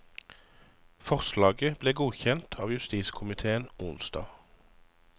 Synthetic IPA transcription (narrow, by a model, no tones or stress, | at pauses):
fɔʁslɑːɡəbleːɡuːçɛnt̪ʰɑːʋjʉst̪iːskʰʊmɪt̪ʰeːənʊnsd̪ɑ̰ː